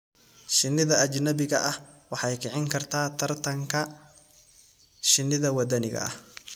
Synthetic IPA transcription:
ʃɪnːɪðɐɐd͡ʒnɐbɪɣɐʔɐh | wɑħɑjkʰɪʕɪŋkʰɐrt̪ʰaːt̪ʰɐrt̪ʰɐŋkʰɐ | ʃɪnːɪðɐwɐd̪ɐnɪɣɐ̰ɐ̰h

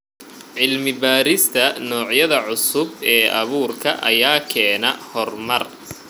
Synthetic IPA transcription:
ʕɪlmɪbaːɾɪst̪ʰɐnɔːʕjɐðɐʕʊsʊbɛːʔɐβuːrkʰɐʔɐ̰jaːkʰɛːnɐhɔrmɐr

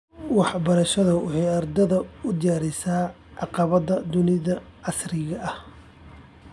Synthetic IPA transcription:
wɑħbɐɾɐʃɐðɐwɑħɑjɐrd̪ɐðɐʊd̪ɪjaːɾɪsaː | ʕɑqɑβɐðɐd̪ʊnɪðɐɑsrɪɣɐʔɐh

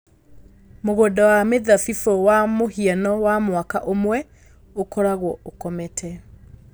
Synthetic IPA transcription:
moɣodɔwameðafifowamohianɔwamwakaʔomwɛ | okɔɾaɣwɔokɔmɛtʰɛ

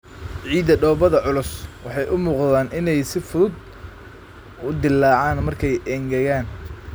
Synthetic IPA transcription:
ʕiːd̪ɐɖɔːbɐðɐʕʊlʊswɑħɑjʔʊmuːqðaːnʔɪnɛjsɪfʊðʊd̪̚ | ʊd̪ɪlɑːʕɑːnmɐrkʰɛjʔɛːŋɡɐjaːn

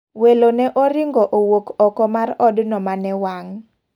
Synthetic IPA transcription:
welonɛʔoɾɪŋɡɔʔowokɔkɔmarɔdnɔmanɛwaŋ

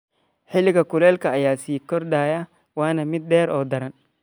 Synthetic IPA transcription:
ħɪlɪɣɐkʰʊlɛːlkʰɐːjaːsiːkʰɔrd̪aːjɐ | wɑːnɐmɪd̪̚ːɛːɾɔːd̪ɐɾɐn

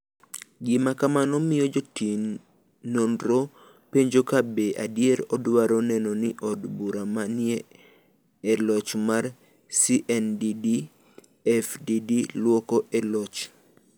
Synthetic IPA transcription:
ɡɪmakamanɔmɪjɔd͡ʒotinː | ondɾo | peɲd͡ʒokabeʔa̰djɛɾɔdwaɾɔnɛnɔnɪʔɔdbuɾamanɪe | ɛlɔt͡ʃmar | siʔɛndidi | ɛfdidilwɔkɔʔɛlɔt͡ʃ

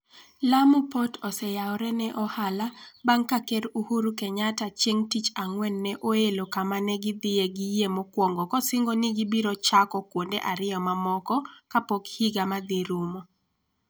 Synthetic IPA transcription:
lamupɔtɔsɛjaɔɾɛnɛʔɔhalabaŋkakɛɾuhuɾukɛɲatat͡ʃeŋtit͡ʃaŋwɛnːɛʔoelokamanɛɡɪd̪ɪeɡijemokwɔŋɡɔkɔsɪŋɡɔnɪɡɪbiɾɔt͡ʃakɔkwondeʔaɾɪɔmamɔkɔkapokhiɡamad̪iɾumo

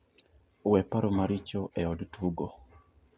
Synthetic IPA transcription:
wɛpaɾomaɾit͡ʃoʔɛɔdtuɡo

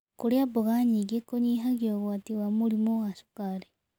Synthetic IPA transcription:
kuɾjabuɣaɲiɡekoɲiɦaɡoɣwatiwamuɾimoɣaʃu̥kaɾe

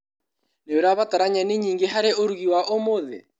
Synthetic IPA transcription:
neoɾaβataɾaɲɛneɲiːŋɡeɦaɾeʔoɾuɣiwaʔomoðḛ

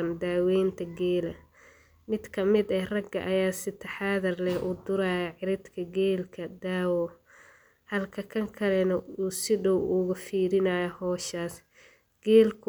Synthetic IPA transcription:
ɐnd̪aːwɛːnt̪ʰɐɡɛːlɐ | mɪd̪kʰɐmɪd̪ɛrɐɡːɐ̰ʔɐjaːsɪt̪ʰɐħaːðɐrlɛʔʊd̪ʊɾaːjɐʕɪɾɪd̪kʰɐɡɛːlkʰɐd̪aːwɔ | hɐlkʰɐkʰɐŋkʰɐlɛnɐuːsɪɖɔwʔʊɣʊfiːɾɪnaːjɐhɔːʃaːs | ɡ̥ɛːlkʰ

